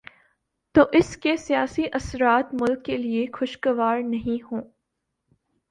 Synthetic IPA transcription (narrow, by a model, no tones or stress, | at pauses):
t̪oːʔɪskesijaːsiʔɐsɾaːt̪mʊlkːeliexʊʃkɐʋaːɾnɐɦĩɦõː